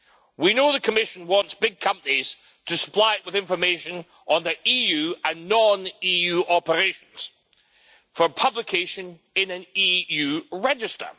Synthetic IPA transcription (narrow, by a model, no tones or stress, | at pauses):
winoðəkʰəmɪʃə̃nwɔ̃ntsb̥ɪɡ̚kʰʌ̃mpəniz̥ | tʰəsə̥pʰl̥ˠaɪʔwɪðɪ̃ɱfə˞meʃə̃n | ʔə̃nðiʔijʉə̃nːɔ̃nijʉʔɔpə˞eʃə̃nz̥ | fə˞pʰʌblˠɪkʰeʃə̃n | ɪ̃nɨ̃nijʉːɹɛd͡ʒɪstə̰˞